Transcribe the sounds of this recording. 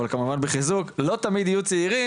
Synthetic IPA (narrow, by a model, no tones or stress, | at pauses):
alkamuvanbeχizuklo̞t̪amid̪ajut͡seiʁi